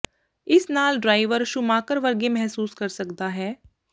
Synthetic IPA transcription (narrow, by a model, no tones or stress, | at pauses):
ɪsnaːlɖɾaːɪʋəɾʃʊmaːkəɾʋɐɾɡemɛɦsuːskɐɾsɐkd̪aɦɛː